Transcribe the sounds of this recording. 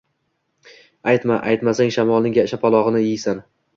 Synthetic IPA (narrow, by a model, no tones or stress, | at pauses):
ajt̪maʔajt̪masaŋʃamɒlˠnɪŋʲaɪʃapʰɒlˠɒʁɨnɪɪjsan